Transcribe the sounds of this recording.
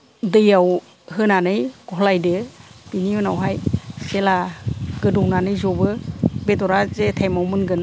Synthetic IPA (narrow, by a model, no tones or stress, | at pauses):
dɯjaw | ɦɯnanɯjɡ̥ɔɦlajdɯbinihɯnawɦajselaɡ̥ɯdɔwnanɯjzɔbɯbetɔɾazetʰajmawmɯnɡɯn